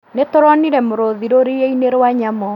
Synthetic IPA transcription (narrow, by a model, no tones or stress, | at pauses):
netoɾɔniɾɛmoɾoðiɾoɾejeineɾwaɲamɔ